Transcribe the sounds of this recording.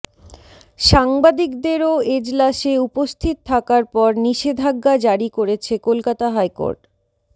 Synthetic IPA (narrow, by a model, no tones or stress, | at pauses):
ʃaŋbad̪ikd̪eɾoed͡ʑlaʃeupost̪ʰit̪t̪ʰːakaɾpɔɾniʃed̪ʱaɡːad͡ʑaɾikoɾet͡ɕʰekolkat̪aɦajko̰ɾʈ